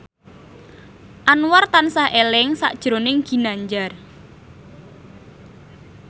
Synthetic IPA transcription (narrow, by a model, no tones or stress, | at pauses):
ʔanwart̪ansahʔelɪŋsa̰ʔd̥ʒ̥ɾonɪŋɡ̥i̤naɲd͡ʒar